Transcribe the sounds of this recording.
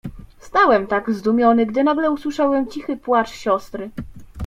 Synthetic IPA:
st̪awɛmt̪aɡzd̪umʲjɔnɘɡd̪ɘnaɡlɛuswɘʂawɛmt͡ɕixɘpwat͡ʂɕɔst̪ɾɘ

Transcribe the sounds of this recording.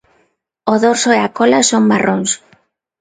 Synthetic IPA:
oðoɾsoeakolasoŋmaroŋs

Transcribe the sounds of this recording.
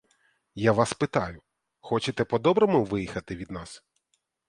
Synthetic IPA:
jaʋɑspɪt̪ɑjʊ | xɔt͡ʃɪt̪ɛpɔd̪ɔbɾɔmʊʋɪjixɐt̪ɪʋʲid̪nɑs

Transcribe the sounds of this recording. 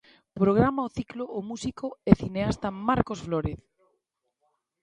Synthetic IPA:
pɾoɣ̞ɾamaoθikloːmusikoeθineast̪amaɾkosfloɾeθ

